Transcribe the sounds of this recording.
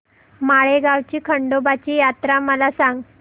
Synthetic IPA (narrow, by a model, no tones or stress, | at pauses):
maɭeɡawt͡ɕiːkʰəɳɖobat͡ɕiːjat̪ɾaməlasãŋɡ